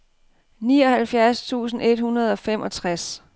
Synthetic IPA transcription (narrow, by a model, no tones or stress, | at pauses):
niːɒ̽hælfjæɐst͡sʰṵːsn̩e̝d̥hunɐð̞ˠɒ̽femʔɒ̽t͡sʰʁas